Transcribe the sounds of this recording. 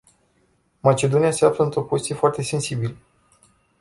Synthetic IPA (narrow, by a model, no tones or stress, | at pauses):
mat͡ʃe̞d̪o̞niase̞afləɨnt̪ɾo̞pozit̪ie̞foart̪e̞se̞nsibilə